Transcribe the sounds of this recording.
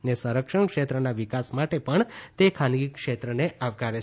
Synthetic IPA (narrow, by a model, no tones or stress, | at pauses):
nesəɾəkʃəɳkʃet̪ɾənaʋikasmaʈepəɳt̪ekʰanɡikʃet̪ɾəneaʋkaɾe